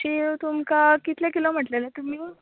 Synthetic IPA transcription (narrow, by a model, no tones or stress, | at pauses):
ɕit̪umkakit̪ljakilom̤əʈlelat̪um̤iː